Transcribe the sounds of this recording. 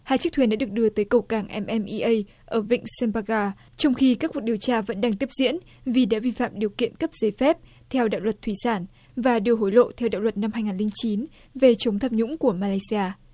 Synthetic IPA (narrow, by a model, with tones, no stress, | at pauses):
haː˧jt͡ɕɨ˦˥k̚t̪ʰi˧˩nɗa̰ː˧˥ɗək̚ɗɨ˧ət̪əː˨˦jkə˨˩wkaː˧˩ŋʔɛ˧mʔɛ˧mʔi˧ʔə˧j | ʔəː˧˩vḭ˧˨ŋ̟sɛ˧mpaː˧ɣaː˧ | t͡ɕɔ˧wŋ͡mxi˧kaː˦˥kwk̚ɗi˨˩əwt͡ɕaː˧və̰˧˥nɗaː˧ŋt̪i˦˥əp̚zḭ˧˥ən | vi˨˩ɗa̰ː˧˥vi˧fa̰ː˧˨mɗi˨˩əwkḭ˧˨ənkə˦˥p̚ze˨˦fɛ˦˥p̚ | t̪ʰɛ˧wɗa̰ː˧˨wlwə˨˩t̚t̪ʰwi˧˩saː˧˩n | vaː˨˩ɗɨ˧˩əɦo˧˩jlo̰˧˨t̪ʰɛ˧wɗa̰ː˧˨wlwə˨˩t̚na˧mha˧jŋaː˨˩nlï˧ŋ͡mt͡ɕi˨˦n | ve˨˩t͡ɕə˨˦wŋ͡mt̪ʰaː˧˩p̚ɲʊ̰˧˥ŋ͡mku˧˩əmaː˧laː˧jsi˧aː˧